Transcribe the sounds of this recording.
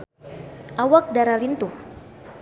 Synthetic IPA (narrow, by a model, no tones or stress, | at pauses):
ʔawak̚daɾalint̪uh